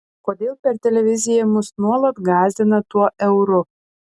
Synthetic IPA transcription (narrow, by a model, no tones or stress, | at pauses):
kod̪ʲeːlˠpʲɛrt̪ʲelʲevʲizʲɪjɛmʊsnuɔlˠət̪ɡɑːzʲd̪ʲɪnɐt̪uɔʔɛwɾo